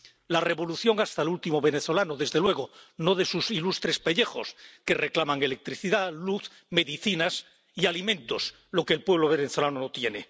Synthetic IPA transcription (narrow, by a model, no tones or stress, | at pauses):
lare̞βo̞luθjo̞ŋast̪aelult̪imo̞βe̞neθo̞lanoðe̞zðe̞lwe̞ɣ̞ono̞ð̞e̞susilust̪ɾe̞spe̞ʎe̞xo̞̰ske̞re̞klamaŋe̞le̞k̚t̪ɾiθiðaluθ | me̞ðiθinas | ialimẽ̞nt̪o̞s | lo̞keːlpwe̞β̞lo̞β̞e̞neθo̞lanonot̪je̞ne